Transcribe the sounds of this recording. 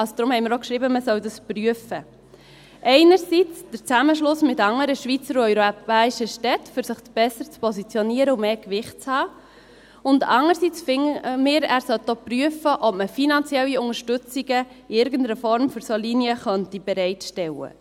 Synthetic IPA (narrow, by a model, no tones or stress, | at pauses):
ɑsod̥̪ɾʊmhɛɪmɪɾokʃʁɾiːbəməsœwdəspryəfə | ʔɛɪnəɾsit͡sd̥əɾt͡sæməʃlʊsmɪtɑŋəɾəʃʋit͡səɾœʏɾopæːiʃəʃtɛtfʏɾsəχt͡sb̥ɛsəɾt͡spɔsit͡sjoniəɾəʊmeːkʋɪχt̚t͡shɑː | ʊndɑ̰ŋəɾsit͡sfɪmɪːɾæːɾsœltːopryəfəʔɔpməfinɑnt͡sjɛlːiʊŋəɾʃtʏt͡siɡə | ɪɾɡəndəɾəfɔɾmføɾsolinjəχœntib̥ɛɾɛɪtʃtɛwə̰